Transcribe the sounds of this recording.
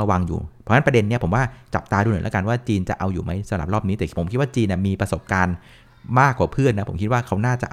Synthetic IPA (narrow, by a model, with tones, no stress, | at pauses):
wa˧ŋjṵː˨˩pʰɔ˧˦˥na˦˥pɾa˧de˧nː˦˥ɐpʰo˩˦mwaː˥˩t͡ɕa̰˨˩p̚t̪aː˧ɾuː˧n˨˩˦l̰ka˧nwaː˥˩t͡ɕiː˧nt͡ɕa˨˩ʔa˧wjuː˨˩ma˦˥jsa˨˦ɾa˨˩p̚ɾɔː˥˩p̚niː˦˥t̪ɛː˨˩pʰo˨˩˦mkʰi˦˥waː˥˩t͡ɕiː˧nːi˨˩miː˧pɾa˧so˨˩p̚kaː˧n | maː˥˩kːwaː˨˩pʰɯ˥˩ənːa˦˥pʰo̰˩˦mkʰi˦t̪̚waː˥˩kʰa˦˥wnaː˥˩t͡ɕa˨˩ʔ